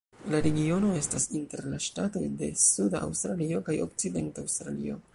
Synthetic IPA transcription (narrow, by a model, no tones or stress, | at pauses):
laɾe̞ɡio̞no̞e̞stasinte̞̰ɾlaʃtato̞̰jde̞̰sudaa̰wstɾalio̞kajo̞̰k̚t͡side̞̰ntaawstɾalḭo̞̰